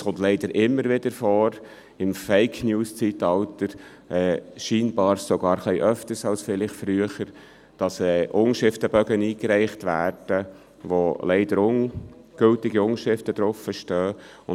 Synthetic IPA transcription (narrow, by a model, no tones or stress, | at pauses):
sχʊnt̪lɛɪd̥əɾʔɪmːəɾʋɪd̥əɾfɔːɾ | ɪmfɛɪkʰnjuːst͡sitɑltəɾ | ʔɛːʃiːnbɑːɾsɔɡɑːɾχliɪʔœftəɾsɑlsfɪlɪχfɾyəχəɾ | d̥ɑsɛːʔʊŋʃɪftəbœɡəniːkɾɛɪχtʋæ̰ːrd̥ə | ʋolɛɪd̥əɾʊnɡ̥ɵltɪɡiʊŋʃɪftəd̥ɾʊfəʃtœː | ʊ